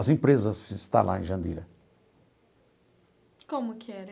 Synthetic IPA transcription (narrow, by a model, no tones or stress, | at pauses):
ɐzẽpɾezɐzɪst̪ã̰la̰ẽʒɐ̃nd̪ilɐ | kõmʊkɪɛɾ